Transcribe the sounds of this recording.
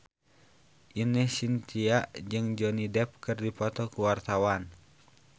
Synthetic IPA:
ʔinɛsint̪iaʔd͡ʒɨŋd͡ʒɔnidɛp̚kɨrdipɔt̪ɔkuwart̪awan

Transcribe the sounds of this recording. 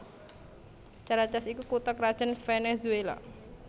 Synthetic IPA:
t͡ʃaɾat͡ʃasikukut̪ɔkɾad̥ʒ̥ənfɛnezuela̰

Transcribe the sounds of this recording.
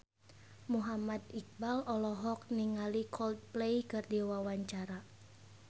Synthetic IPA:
muɦamad̪ik̚balɔlɔɦɔk̚niŋalikʰɔld̪̚plejkɨrdiwawaɲt͡ʃaɾa

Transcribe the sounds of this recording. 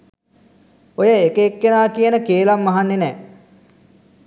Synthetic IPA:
ojəekəekːenaːkijənəkeːlamːaɦanːenɛː

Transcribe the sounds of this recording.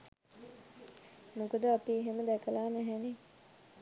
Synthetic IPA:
nukəd̪əapiɦeməd̪ækəlaːnæɦæne

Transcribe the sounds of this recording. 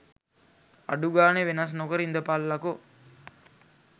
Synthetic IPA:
a̰ɖuɡaːneʋenɐs̬nokəɾind̪əpalːako

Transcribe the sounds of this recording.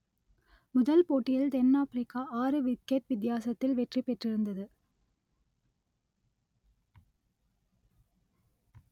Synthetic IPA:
mʊðɐlpoːʈːɪjɪld̪ɛnːaːfɾɪkːaʔaːɾɯʋɪkːɛʈ̚ʋɪd̪ɪjaːsɐt̪ːɪlʋɛʈripːɛʈrɪɾɯnd̪ɐðɯ

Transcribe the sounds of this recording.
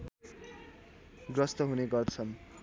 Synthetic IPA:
ɡrʌst̪ʌɦuneɡʌrt͡sʰʌn

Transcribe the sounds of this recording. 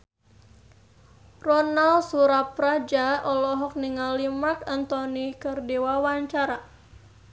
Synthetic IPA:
rɔnalsuɾapɾad͡ʒaɔlɔɦɔk̚niŋalimarkant̪ɔnikərdiwawaɲt͡ʃaɾa

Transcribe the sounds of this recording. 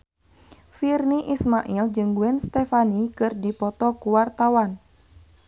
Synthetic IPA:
firniʔismaʔild͡ʒɨŋɡuɛnst̪ɛfanikɨrdipɔt̪ɔkuwart̪awan

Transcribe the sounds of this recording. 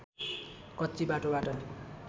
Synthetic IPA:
kʌt͡sːibaʈobaʈʌ

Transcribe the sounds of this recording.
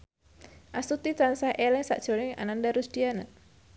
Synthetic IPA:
ʔasut̪it͡ʃansahʔelɛŋsa̰ʔd̥ʒ̥onɪŋa̰nandaɾusd̥iana

